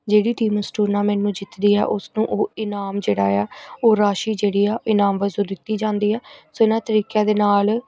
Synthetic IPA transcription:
d͡ʒeːɽiːʈiːməsʈuːɾnaːmɛ̃ːnũːd͡ʒɪt̪d̪iːɛ̰ːʔʊsnũːʔoːɪnaːmd͡ʒeːɽaːɛːoːɾaːʃiːd͡ʒeːɽiːɛːɪnaːmʋəzuːd̪ɪt̪ːiːd͡ʒãːnd̪iːɛːsoːɪnãːt̪əɾiːkaːd̪eːnaːl

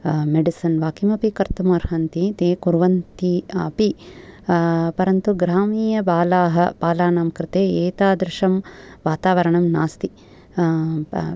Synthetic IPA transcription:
meɖisɐnʋaːkimɐpikɐɾt̪umɐɾɦɐnt̪it̪eːkuɾʋɐnt̪iɐpi | pɐɾɐnt̪uɡɾaːmiːjɐbaːlaːɦɐb̥aːlaːnaːmkɾɪt̪eːeːt̪aːd̪ɾɪʂɐmʋaːt̪aːʋɐɾɐɳɐmnaːst̪i

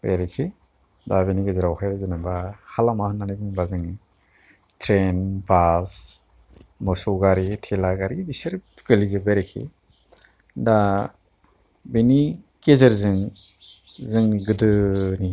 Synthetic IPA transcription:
bejɾikʰi | dabenikezɯɾawkʰajzɯnabahalamahanːanijbɯŋbazɯŋ | tʰɾenbas | mɔsɔwɡaɾitʰelaɡaɾibisɯɾkelizɯbeɾekʰḭ | da | beni | kezɐɾzɯŋ | zɯŋɡɯdɯni

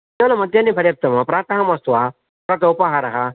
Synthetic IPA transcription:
t̪eʋlɐmɐd̪ʱjanːipʰɐɾjɐp̚t̪ɐmɐpɾaːt̪ɐɦɐmɐst̪ʋa | pɾɐt̪ɐupɐɦaɾɐɦa

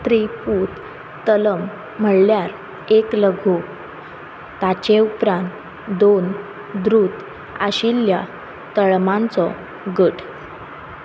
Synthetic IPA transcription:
t̪ɾipuːt̪ː | ələm̤ː | əɽljaɾ | ekləɡʱo | t̪at͡ɕeupɾãnt̪ | d̪on | d̪ɾuːt̪ | aɕilja | t̪əɭmãnt͡sɔ | ɡəʈ

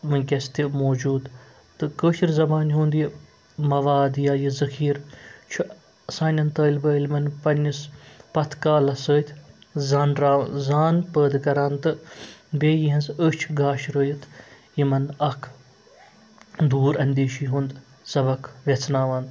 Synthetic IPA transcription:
mɨnkʲɐst̪imoːd͡ʒuːd̪ | t̪ɨkəːʃiɾzɐbaːnɦuːnd̪ji | mɐʋaːd̪jaːjizɐkʰiːɾt͡ʃʰu | saːnʲɐnt̪əːlʲbəːlʲmɐnpɐnʲːispɐt̪ʰkaːlɐsəːt̪ʲʰzaːnɾaːzaːnpəːd̪kɐɾaːnt̪ɨbeːjiɦɐnzət͡ʃʰɡaːʃɾəːjit̪ʰ | jimɐnɐkʰ | d̪uːɾɐnd̪eːʃiɦũnd̪ | sɐbɐkʰʋʲet͡sʰnaːʋɐːnd̪

